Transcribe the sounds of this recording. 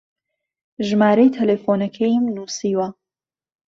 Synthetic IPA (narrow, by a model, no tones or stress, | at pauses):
ʒmaːɾɐjt̪ʰɐlefoːnɐkʰɐjmnuːsiːwɐ